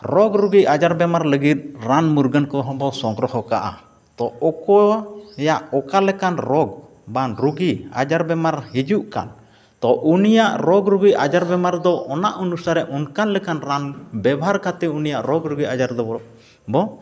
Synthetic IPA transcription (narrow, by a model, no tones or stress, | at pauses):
ɾɔɡɾuɡiad͡ʒaɾbɛmaɾləɡit̪̚ɾanmuɾɡənkɔɦɔ̃bɔsɔŋɡɾɔhɔkaʔa̰ | t̪ɔɔkɔhɛjaʔɔkalɛkanɾɔɡ | banɾuɡia̰d͡ʒaɾbɛmaɾhid͡ʒuʔka̰n | t̪ɔʔunijaʔɾɔɡɾuɡiad͡ʒaɾbɛmaɾd̪ɔʔɔnaʔunusaɾɛʔʔɔnkanlɛkanɾanbɛbaɦaɾkat̪ɛunijaʔɾɔɡɾuɡiad͡ʒaɾd̪ɔ | bɔ